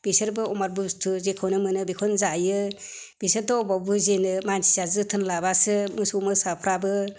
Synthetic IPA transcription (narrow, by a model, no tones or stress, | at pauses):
b̥isɯɾbɯɔmaɾbustʰuzekʰɔwnɯmɯnɯbikʰɔnzajɯ | b̥isɯɾdɔɔbabuzenɯmansʰi̥zazɯtʰɯnlabasɯmɯsumɯsapʰɾabɯ